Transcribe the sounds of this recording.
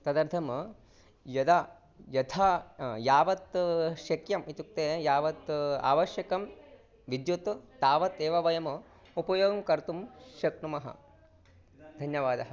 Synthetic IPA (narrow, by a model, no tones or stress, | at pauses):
t̪ɐd̪ɐɾd̪ʱʰɐm | jɐd̪aː | jɐt̪ʰajaːʋɐt̪ʃɐkjɐmit̪uk̚t̪eːjaːʋɐt̪a̰ːʋɐʃjɐkɐm | ʋid̪jut̪t̪aːʋɐt̪eːʋɐʋɐjɐm | upɐjoːɡɐmkɐɾt̪umʃɐkɳumɐɦɐ̰ | d̪ʱɐnjɐʋaːd̪ɐɦɐ